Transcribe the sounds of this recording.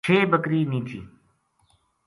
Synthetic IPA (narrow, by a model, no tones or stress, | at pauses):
eːbəkɾiːnĩːt͡ʃḭː